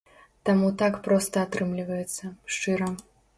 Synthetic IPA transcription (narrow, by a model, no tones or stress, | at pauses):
t̪amut̪akpɾɔst̪ɐat̪ɾɨmlʲivɐjɛt̪sːɐʂt͡ʂɨɾɐ